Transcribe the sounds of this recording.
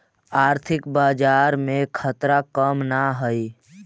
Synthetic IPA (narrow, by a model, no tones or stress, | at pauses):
aːɾt̪ʰɪkbaːd͡ʒaːɾmẽkʰət̪ɾakəmnaɦəi